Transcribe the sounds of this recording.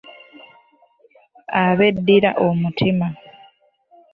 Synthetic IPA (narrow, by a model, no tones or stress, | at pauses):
aβe̞dːiɾa̰ʔomutʰima